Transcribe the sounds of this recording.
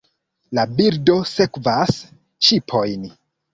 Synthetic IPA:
labiɾdo̞se̞kvas | t͡ʃipʰo̞jn

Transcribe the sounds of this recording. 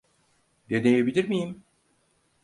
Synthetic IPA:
d̪ed̪ejebilʲiɾmijim

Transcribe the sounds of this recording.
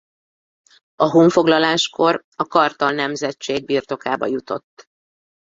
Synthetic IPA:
ɒɦuːɱfo̞ɡlɒlaːʃko̞r | ɒkɒrt̪ɒlnɛmzɛt͡ʃːeːɡ̚biːrt̪o̞kaːbɒ̰jut̪o̞̰t̪ː

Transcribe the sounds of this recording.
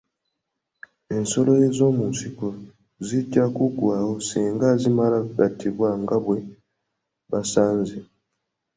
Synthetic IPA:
e̞nso̞lo̞jezo̞ːmunsiko | ziɟakuɡwaːwo̞siːŋɡazimalakuɡatʰiβwaŋɡaβwe̞ | βasaːnzi

